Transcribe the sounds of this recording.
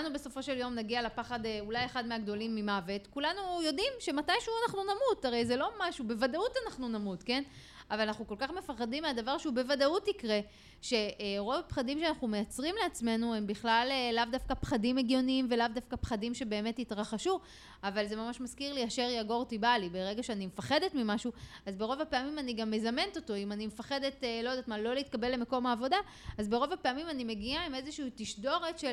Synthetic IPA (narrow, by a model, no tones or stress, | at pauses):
nube̞so̞fo̞ʃe̞ljo̞mnaɡialepaχadeulajeχadmeaɡdo̞limːimave̞tkulanujo̞dimʃe̞matajʃeuanaχnunamuthaʁe̞jze̞lo̞maʃube̞vadautanaχnunamutke̞n | avalanaχnuko̞lkaχme̞faχadimeadavaʁʃeube̞vadautikʁe̞ | ʃe̞ʔʁo̞vapχadimʃeanaχume̞jat͡sʁimleat͡sme̞nuembiχlaleːavdafkapχadimeɡjo̞niimve̞lavdafkapχadimʃe̞be̞ːme̞titʁaχaʃu | avalze̞mamaʃmaskiʁliaʃeʁjaɡo̞ʁtibalibeʁeɡaʃeanimefaχe̞detmimaʃuazbe̞ʁo̞vapeamimaniɡamːe̞zame̞nto̞to̞imanimefaχe̞de̞tlo̞adatmalo̞liit̪̚kabe̞lːe̞meko̞maːvo̞da | azbe̞ʁo̞vape̞amimanime̞ɡiaime̞zeʃiiːtiʃdo̞ʁetʃe